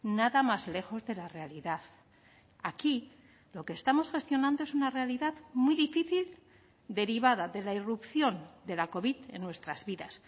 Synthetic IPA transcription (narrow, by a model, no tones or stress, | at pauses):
naðamazle̞xo̞zðe̞lare̞aliðað | aki | lo̞keːst̪amo̞sxe̞st̪jo̞nãnd̪oesunare̞aliðaðmwiðifiθil | d̪e̞ɾiβaðaðe̞lairupθjo̞nd̪e̞lako̞βiðe̞̰nːwe̞st̪ɾazβiðas